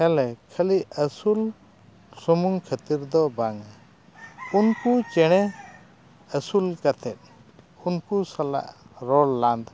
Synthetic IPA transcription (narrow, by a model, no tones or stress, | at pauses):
hɛlɛkʰəliəsul | sumuŋkʰət̪iɾd̪ɔbaŋa | unkut͡ʃɛɽ̃ɛ | əsulkat̪ʰɛt̪̚ | unkusala̰ʔɾɔlːand̪